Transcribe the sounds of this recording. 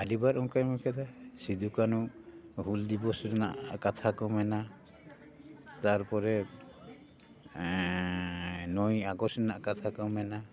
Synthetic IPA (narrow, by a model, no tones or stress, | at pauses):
adibaɾɔŋkajmɔkʰɛd̪asid̪ukanuɦuld̪ibɔsɾɛna̰ʔkat̪ʰakɔmɛna | t̪aɾpɔɾɛ | nɔjaɡɔsɾɛnaʔkat̪ʰakɔmɛna